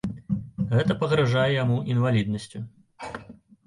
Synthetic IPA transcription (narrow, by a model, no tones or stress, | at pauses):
ɣɛt̪ɐpɐɣɾaʐajɛjamuʔinvalʲid̪̚nɐsʲt͡sʲu